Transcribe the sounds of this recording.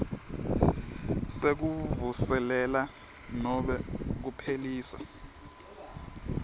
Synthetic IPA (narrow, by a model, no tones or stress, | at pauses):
sek̬uvusɛlɛla | nɔɓɛk̬upʰeliːsa̰